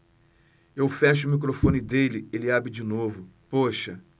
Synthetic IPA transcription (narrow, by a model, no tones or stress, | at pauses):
ewfɛʃ̬ɐʊːmik̬ɾofõnid̪elɪelɪabɾɪd͡ʒinovʊpoʃɐ